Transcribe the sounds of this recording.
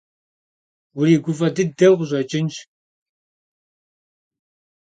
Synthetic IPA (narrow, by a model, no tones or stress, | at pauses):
wʊɾiːɡʷʊfɐdɨdɐʁʷʑʷʼɐt͡ʃʼɪnʃ